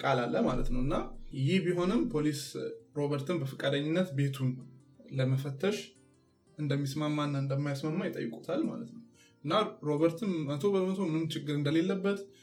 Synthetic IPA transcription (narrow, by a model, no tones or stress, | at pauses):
kʼalalːəmalə̰t̪nəwɨnːajɪhbiɦo̞nɨmpʰo̞lisɾo̞βəɾt̪ʰɨnbəfɨkʼad̪əɲːɪnːət̪be̞t̪ʰun | ləməfət̪ʰːəʃ | ʔɨnd̪əmːismamːanːaɨnd̪əmːajasmamːajɪt̪ʼə̰jːɪkʼut̪ʰalma̰lət̪nəw | ʔɨnːaɾo̞βəɾt̪ʰɨnmət̪ʰo̞bəmət̪ʰo̞mɨnɨmt͡ʃɪɡːɨɾɨnd̪əle̞lːəbːət̪